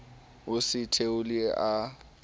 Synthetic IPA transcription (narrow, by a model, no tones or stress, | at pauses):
ʊsɪtʰeʊlɪa